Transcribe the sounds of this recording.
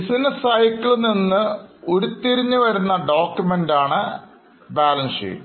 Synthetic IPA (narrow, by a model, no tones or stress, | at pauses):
isinɐsɐjikːiɭninːɨo̞ɾut̪ːiɾiɲːuʋɐɾunːɐɖo̞ːkjumendaːɳɨ | baːlɐnsḭ